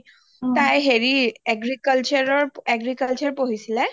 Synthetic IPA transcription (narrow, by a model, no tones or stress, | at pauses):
t̪ajɦeɹieɡɹikəlt͡ʃɔɹɔɹeɡɹikalt͡ʃɔɹpoɦisilɛ